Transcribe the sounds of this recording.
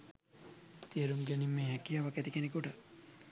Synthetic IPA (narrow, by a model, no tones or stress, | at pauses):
t̪iəɾumɡɛnimːeːɦɛkijaʋɐkɛt̪ikenekuʈə